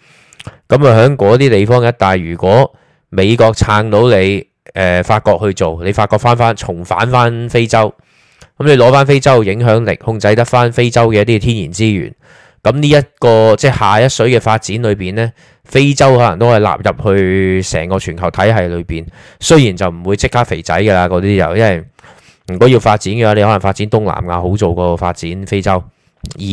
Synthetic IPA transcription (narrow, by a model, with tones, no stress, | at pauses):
kɐ˨˥ma˨˩ɦœː˨˥ŋkʷɔː˨˥t̪̬iː˥t̪e˨jfɔː˥ŋjɐ˥t̚t̪aː˨jyː˨˩kʷɔː˨˥ | me˨˧jkɔː˧k̚t͡sʰaː˧ŋt̪o˨˥wle˨˧j | ʔɛː˨faː˧t̚kɔː˧k̚hɵ˧ɥt͡so˨wnle˨˧faː˧t̚kɔː˧k̚faː˥nfaː˥nt͡ʃʰʊ˨˩ŋfa̰ː˨˥nfaː˥nfe˥jt͡sɐ˥w | kɐ˨˦mle˨˧jlɔː˨˥faː˥nfe˥jt͡sɐ˥wjɪ˨˧˥ŋɦœː˨˥ŋlɪ̰˨˩k̚hʊ˧ŋt͡sɐ˧jt̪ɐ˥k̚faː˥nfe˥jt͡sɐ˥wkɛː˧jɐ˥t̪iː˥t̪ʰiː˥njiː˨˩nt͡siː˥jy̰ː˨˩n | kɐ˨˥mniː˥jɐ˥t̚kɔː˧t͡sɛː˥haː˨˩jɐ˥t̚sɵ˨˥ɥkɛː˧faː˧t̚t͡siː˨˥nlɵ˨˧ɥpiː˨˩nlɛː˥ | fe˥jt͡sɐ˥whɔ˨˥lɐ̰˨˩ŋt̪o˥hɐ˨˩jla̰ː˨p̚jɐ˨p̚hɵ˧ɥsɛ̰ː˨˩ŋkɔː˧t͡ʃʰyː˨˩nkʰɐ˨˩wt̪ʰɐ˨˥jɦɐ˨jlɵ˨˧ɥpiː˨˩n | sɵ˥ɥji˨˩nt͡sɐ˨wm̩˨˩wuː˨˧jt͡sɪ˥kʰːaː˥k̚fe˨˩jt͡sɐ̰˨˥jɡɛ˧laː˧kɔː˨˧˥t̪iː˥jɐ̰˨˩jɐ˥nwɐ˨j | m̩˨˩kɔː˨˥ji˧wfaː˧t̚t͡siː˨˥nkɛː˧waː˨˧˥ne˧hɔ˨˥ɐ˨˩ŋfaː˧t̚t͡siː˨˥nt̪ʊ˥ŋla̰ː˨˩maː˧ɦo˨˥wt͡so˨wkɔː˧fa̰ː˧t̚t͡siː˨˥nfe˥jt͡sɐ˥w | jiː˨˩